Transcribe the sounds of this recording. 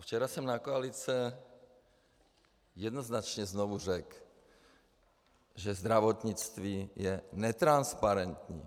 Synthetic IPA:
ft͡ʃɛɾasɛmnakoalit͡sɛ | jɛd̪noznat͡ʃɲɛznovur̝ɛk | ʒɛzd̪ɾavot̪ɲɪt͡st̪viːjɛnɛt̪ɾanspaɾɛnt̪ɲḭː

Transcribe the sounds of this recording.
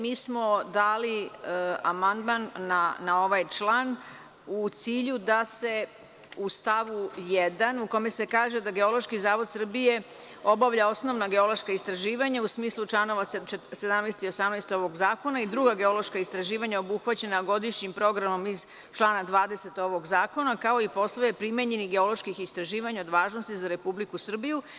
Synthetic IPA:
miːsmo̞d̪aːli | amand̪manːanao̞ʋajt͡ʃlˠaːn | ut̪siːʎud̪ase̞ | ust̪aʋujed̪anuko̞me̞se̞kaːʒe̞d̪aɡe̞o̞lo̞ʃkizaːʋo̞d̪sr̩bije̞ | o̞baʋʎao̞sno̞ʋnaɡe̞o̞lo̞ʃkaist̪ɾaʒiːʋaɲausmiːslˠut͡ʃlˠano̞ʋassed̪amnɛjst̪io̞samnajst̪o̞ʋo̞ɡzaːko̞naid̪ɾuɡaɡe̞o̞lo̞ʃkaist̪ɾaʒiːʋaɲao̞buxʋat͡ɕe̞naɡo̞d̪iʃɲimpɾo̞ɡɾamo̞miz | t͡ʃlˠaːnad̪ʋaːd̪e̞se̞t̪o̞ʋo̞ɡzaːko̞nakao̞ipo̞slˠajepɾime̞ɲe̞niɡeo̞lo̞ʃkixist̪ɾaʒiːʋaɲaod̪ʋaːʒnost̪izaɾe̞publikusr̩biju

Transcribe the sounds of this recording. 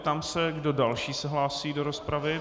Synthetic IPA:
t̪amsɛɡdo̞dalʃiːsɛɦlaːsiːdo̞ɾospɾavɪ

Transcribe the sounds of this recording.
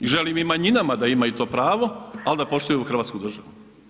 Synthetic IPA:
iʒe̞liːmimaɲinamad̪aimait̪o̞ːpɾaːʋo̞alid̪apo̞ʃt̪ujuuxɾr̩ʋaːt̪kud̪r̩ʒaʋu

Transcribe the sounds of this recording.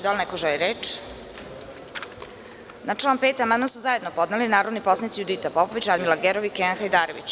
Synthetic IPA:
d̪alnɛkoʒɛliɾeːt͡ʂ | naʈ͡ʂlaːnpeːt̪amanmansuzajed̪nopo̞d̪nalinaːɾod̪niposanit̪sijud̪it̪apopoʋit͡ɕad̪milˠaɡeɾoʋikeanxajd̪aːɾoʋḭt͡ɕ

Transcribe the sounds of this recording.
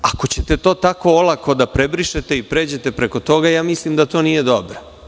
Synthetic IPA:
ako̞t͡ɕet̪e̞t̪o̞ːt̪ako̞olˠako̞d̪apɾebɾiʃet̪e̞ipɾe̞ːd͡ʑe̞t̪e̞pɾe̞ko̞t̪o̞ɡajaːmislimd̪at̪o̞ːnije̞d̪o̞bɾo

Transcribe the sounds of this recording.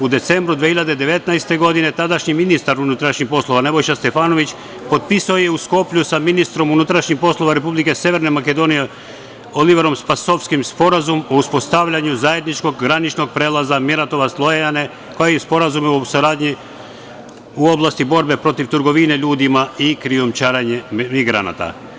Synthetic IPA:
ud̪e̞t̪se̞mbɾud̪ʋehiʎad̪e̞d̪e̞ʋe̞t̪naest̪e̞ɡo̞d̪ine̞t̪ad̪aʃɲiminist̪aɾunut̪ɾaʃɲixpo̞slˠo̞ʋane̞bo̞jʃast̪e̞faːno̞ʋit͡ɕ | po̞d̪pisaojeusko̞pʎusaminist̪ɾo̞munut̪ɾaʃɲixpo̞slˠo̞ʋaɾe̞publike̞sje̞ʋe̞ɾne̞make̞d̪o̞ːnije̞ | o̞liʋeɾo̞mspaso̞fskimspo̞ɾazumo̞uspo̞st̪aʋʎaɲuzaje̞d̪nit͡ʃko̞ɡɡɾanit͡ʃnoɡ̚pɾeːlˠazameɾat̪o̞ʋaslˠo̞jeane | ko̞jejɛspo̞ɾazumosuɾaːd̪ɲi | uo̞blˠast̪ibo̞ɾbe̞pɾo̞t̪iʋt̪ɨɾɡo̞ʋine̞ʎuːd̪imaikɾiomt͡ʃaːɾaɲemiɡɾa̰na̰t̪a̰

